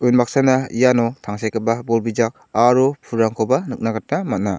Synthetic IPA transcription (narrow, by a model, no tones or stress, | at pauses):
ujnmak̚sanaijanɔtʰaŋsajkʰɯbabɔlbid͡ʒak̚aɾɔpʰuɾaŋkʰɔbanɯk̚naɡat̚namat̚na